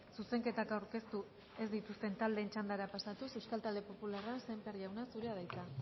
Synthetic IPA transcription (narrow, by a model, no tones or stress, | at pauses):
suse̞ŋke̞t̪akawɾke̞st̪u | e̞zd̪it̪ust̪e̞nt̪ald̪e̞ːnt͡ʃand̪aɾapasat̪usewskalt̪ald̪e̞po̞pularase̞mpeɾiawnasuɾe̞aðajt̪a